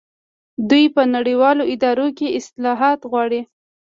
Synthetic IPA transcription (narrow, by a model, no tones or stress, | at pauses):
d̪ujpənaɽəwɑloɪd̪ɑɾokeɪslɑɦɑt̪ɣwɑɽi